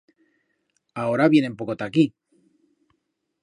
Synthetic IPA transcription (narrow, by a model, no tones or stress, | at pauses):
aoɾaβjene̞mpokot̪aki